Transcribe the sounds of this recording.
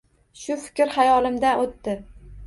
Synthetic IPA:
ʃʊfɪ̥kʲɾhajɒlɪmd̪aʔot̪ːɪ

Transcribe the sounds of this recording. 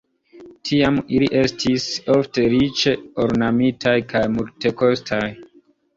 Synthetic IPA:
tʰiamiliʔe̞stʰisofte̞ɾit͡ʃe̞oɾnamitʰajkajmulte̞ko̞stʰaj

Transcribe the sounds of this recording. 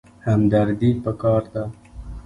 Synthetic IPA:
hamd̪aɾd̪ipəkɑɾd̪a

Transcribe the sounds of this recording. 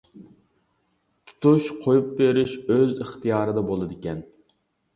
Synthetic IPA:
t̪ʰu̥t̪uʃqʰojup̚beɾɪʃøzɨχt̪ijɑːɾɨd̪ɑbolˠɨd̪ɪkʲɛn

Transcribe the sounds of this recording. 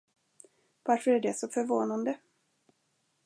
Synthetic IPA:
vaɾfœɾæɖɛsɔfœɾvoːnand̪ə

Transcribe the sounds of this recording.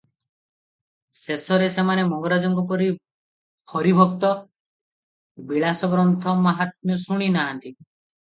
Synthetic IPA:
sesɔɾesemanemɔɡɾad͡ʒɔŋkupɔɾi | hʰɔɾibʱɔk̚t̪ɔ | biɭasɔɡɾɔnt̪ʰɔmaɦat̪̚mɔsuɽ̃inaɦant̪i

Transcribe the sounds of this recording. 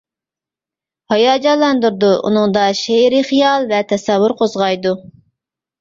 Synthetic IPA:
hɑjɑːd͡ʒɑlˠːɑnd̪uɾd̪uʔṵnɨŋd̪ɑʃeɾiχijɑlˠvɛt̪ʰɛsɛvːʊɾqʰozʁɑjd̪u

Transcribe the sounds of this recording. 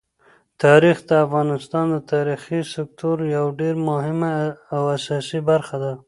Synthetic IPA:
t̪ɑɾixd̪əafɣɑnɪst̪ɑnd̪ət̪ɑɾixisɪk̚t̪oɾjawɖeɾmʊɦɪmaːwasɑsibaɾxad̪a

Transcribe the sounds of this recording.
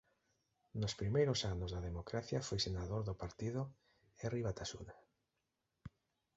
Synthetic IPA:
nospɾimejɾʊsanozðað̞emokɾaθjafojsenaðoɾðopaɾt̪iðʊ | eriβat̪asṵna

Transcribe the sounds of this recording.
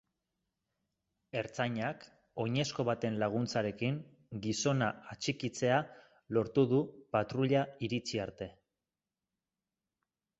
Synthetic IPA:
e̞ɾt͡saɲak | o̞ɲe̞sko̞βat̪e̞nlaɣ̞unt͡saɾe̞kiŋ | ɡiso̞naat͡ʃikit͡se̞a | lo̞ɾt̪uðupat̪ɾuʎaiɾit͡siaɾt̪e̞

